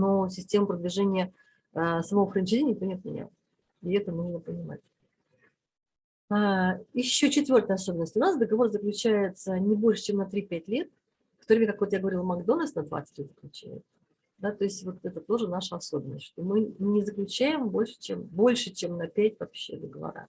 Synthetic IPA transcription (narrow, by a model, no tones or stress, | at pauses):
nos̬ʲɪsʲtʲe̞mʊpɾəd̪vʲɪʐenʲɪjə | səmɐvoxɾənʲɪt͡ɕed̪ʲenʲːɪkt̪onʲet̪mʲɪ̰nʲa̰lˠ | ɪɛt̪ənuʐnəpənʲɪma̰tʲ | ajɪɕːo̞t͡ɕɪt̪vʲo̞rt̪əɐso̞bʲɪnəsʲtʲʊnasd̪əɡɐvo̞rzəklʲʉt͡ɕæjɪt̪sənʲɪbo̞lʲʂɨ̥t͡ɕe̞mnɐt̪ɾʲipʲæt̚ʲlʲe̞t̪̚ | kt̪oɾʲɪmʲekakvojaɡəvɐɾʲilˠmɐɡd̪o̞nəlsnɐd̪va̰t̪sɨ̥tʲlʲet̪zə̥klʲʉt͡ɕæ̰jɪ̰t̪sə̥ | d̪at̪o̞ɪsʲtʲvo̞t̪ɛt̪ət̪o̞ʐɨnaʂəɐso̞bʲɪnːəsʲtʲʂt̪omɨnʲɪzəklʲʉt͡ɕæjɪmbo̞lʲʂɨ̥t͡ɕembo̞lʲʂɨt͡ɕemnɐpʲætʲvɐpɕːe̞̰d̪əɡəvɐ̰ɾa̰